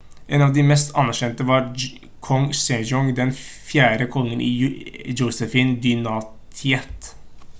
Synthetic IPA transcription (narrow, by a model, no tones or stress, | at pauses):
ʔeːnɑʋd̪ɪmɛst̪ʰɑ̰nːæɾʃɛnt̪əʋɑɾ | kʰɔŋsɛd͡ʒɔŋd̪ɛnfjæːɾəkʰɔŋːənʔḭd͡ʒəʊsəfɪnd̪ʏnɑːt̪ʰɪɛt̪